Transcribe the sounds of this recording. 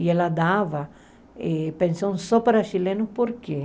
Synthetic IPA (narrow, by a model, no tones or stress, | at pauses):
ielad̪avɐ | ɛpẽnsõw̃sɔpaɾaʃilẽnʊpoɾke